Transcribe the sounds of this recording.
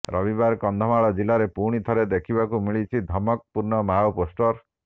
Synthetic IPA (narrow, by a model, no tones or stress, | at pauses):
ɾʔɔbibaɾkɔnd̪ʱɔmaɭɔd͡ʒilaɾepuɽ̃it̪ʰɔɾed̪ekʰibakumiɭit͡ʃʰid̪ʱɔmɔk̚puɾnɔmawposʈɔɾ